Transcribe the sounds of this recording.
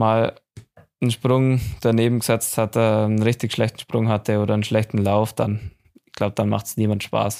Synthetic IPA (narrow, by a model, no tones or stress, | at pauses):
maːl | nʃpʁ̥ʊŋd̥aneːbm̩ɡəz̥ɛt͡sthatɛnʁɪçtɪçʃlɛçtn̩ʃpʁ̥ʊŋhatəoːɾɐənʃlɛçtn̩laʊfd̥a̰n | ɪɡ̥laʊb̚d̥anma̰χtsniːmantʃpa̰ːs